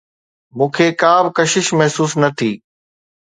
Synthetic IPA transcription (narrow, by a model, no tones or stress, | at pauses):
mũːkʰeːkaːbkɐʃɪʃmɐɦsuːsnɐt̪ʰiː